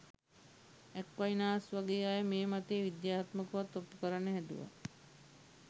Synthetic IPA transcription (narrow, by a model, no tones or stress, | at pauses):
ɛkʋajnaːsʋaɡeːaːjəmeːmat̪eːʋid̪jaːt̪məkuʋat̪ːopːukəɾanːəɦɛd̪ṵʋa̰